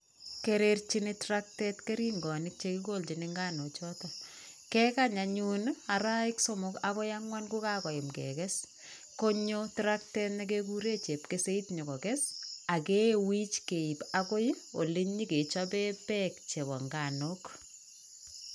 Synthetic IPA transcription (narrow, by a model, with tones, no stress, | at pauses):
keɾert͡ʃinetrak̚tɛtke˦ɾi˦ŋɡɔ˨nɪk̚t͡ʃekiko˦lt͡ʃi˨nɪŋɡa˦not͡ʃɔtɔ | ke˦kaɲaɲu˦na˨ɾa˦ɪkso˦mʊkakɔ˦jaŋwa˦nku˦kakɔ˨jɪ˨mkɛ̰kɛs | koɲotɾak̚tɛtnek̬eku˦ɾe˦t͡ʃe˨pkese˦itɲo˨kɔ˨kɛsa˨ke˦wi˦t͡ʃke˨i˨pako˦jo̰˨lɪ˦ɲi˦ke˨t͡ʃape˦pɛk̚t͡ʃe˨bɔ˨ŋɡa˨nok